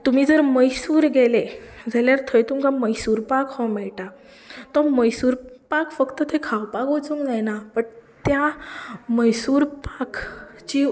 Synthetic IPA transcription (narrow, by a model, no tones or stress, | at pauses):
t̪um̤iːd͡zəɾməjsuːɾɡɛled͡zʱaljaɾt̪ʰəjt̪umkaməjsuːɾpakhɔmɛɭʈa | t̪ɔməjsuːɾpakfəkt̪ət̪ʰekʰawpakʋot͡sũŋɡd͡zajnapəɳt̪ja | məjsuːɾpakt͡ɕi